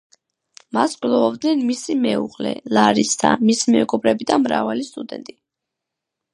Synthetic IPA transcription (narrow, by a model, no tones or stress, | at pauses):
maskʼlˠɔɔbd̪nɛnmisimɛuʁlɛ̰laɾisd̪a̰misimɛɡʼɔbɾɛbid̪amɾavalist̪ʼud̪ɛnt̪ʼi